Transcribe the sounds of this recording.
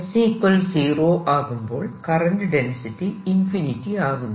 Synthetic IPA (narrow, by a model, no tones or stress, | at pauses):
siːpːɐlsiːroːʔaːɣumbo̞ːɭkɐrɐnɖɖensitːiinfinitːiaːɣunː